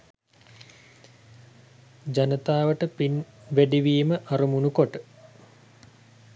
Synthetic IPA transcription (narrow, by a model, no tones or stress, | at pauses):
d͡ʑanət̪aːʋəʈəpinʋæɖiʋiːməʔaɾumunukoʈə